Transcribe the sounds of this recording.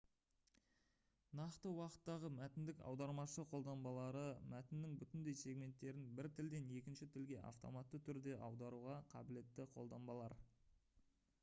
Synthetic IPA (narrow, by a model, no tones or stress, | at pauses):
nɑqt̪əwɑqə̥t̪ːɑʁəmæt̪ɪnd̪ɪkɑ̰wd̪ɑɾmɑʃəqʰo̞lˠd̪ɑnbɑlˠɑɾəmæt̪ɪnːɪŋbʏt̪ɪnd̪e̞jsʲe̞ɡmʲe̞nt̪ːe̞ɾɪnbɪɾt̪ʰɪld̪e̞ne̞kʲɪnʃɪt̪ʰɪlɡʲe̞ʔa̰ft̪o̞̰mɑt̪ːət̪ʰʏɾd̪e̞ʔɑwd̪ɑɾuʁɑqʰɑ̰bɪle̞t̪ːɪqʰo̞lˠd̪ɑnbɑlˠɑɾ